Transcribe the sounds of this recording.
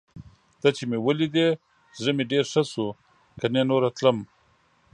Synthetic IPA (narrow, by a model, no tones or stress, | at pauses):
t̪at͡ʃemewəlid̪e | zʐəmeɖeːɾʂasu | kanenoːɾat̪ləm